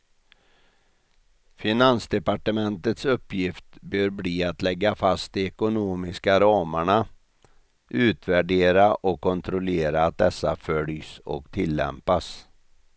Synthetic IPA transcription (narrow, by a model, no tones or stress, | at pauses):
fɪnansd̪ɛpaʈəmɛnt̪ət̪sɵpːjɪft̪bøːɾbliːat̪lɛɡːafast̪ɪɛkʊnoːmɪskaɾɑːmaɳa | ʔʉ̟ːt̪væɖeːɾaʔɔkʰːɔnt̪ʰɾʊleːɾaːt̪̚d̪ɛsːafœljsɔ̰kt̪ʰɪlːɛ̰mpas